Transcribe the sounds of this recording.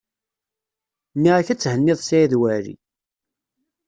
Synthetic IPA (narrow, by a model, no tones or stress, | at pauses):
niʁaçæt͡sːhənːɪðˤsiiðwæɾḭ